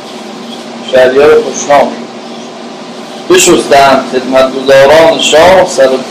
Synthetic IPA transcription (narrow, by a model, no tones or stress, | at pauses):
ʃæɾijæɾopoʃnɒːm | beʃosd̪ænd̪χed̪mæt̪̚ɡozɒːɾɒːneʃɒːhsæɾo